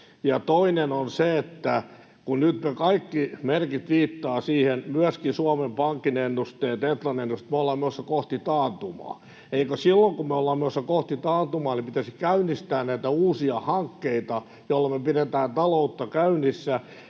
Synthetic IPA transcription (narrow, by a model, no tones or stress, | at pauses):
jɑt̪oinenonseet̪ːæ | kunnyt̪mekɑikːimerkit̪ʋiːt̪ːɑːsiːhenmyæskisuɑmempɑŋkːinenːust̪eːt̪et̪lɑnenːust̪meolːɑːmmeosːɑkoht̪it̪ɑːt̪umɑ̰ː | eikøsilːoŋkumeolːɑːmmeosːɑkoht̪it̪ɑːt̪umɑːnipit̪æsikæynːˑist̪æːnnæit̪æuːsiɑhɑŋkːeit̪ɑ | jolːɑmøpiret̪æːnt̪ɑlout̪ːɑkæynisːæ